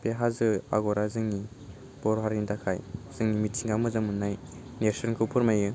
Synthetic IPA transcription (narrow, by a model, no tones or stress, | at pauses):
peɦazɯa̰ɡɔɾazɯŋni | b̥ɔɾɦaɾindakʰajz̥ɯŋnimitʰiŋɡamɯzɯŋmɯnːajnesɔnkʰɯwpʰɔɾmajɯ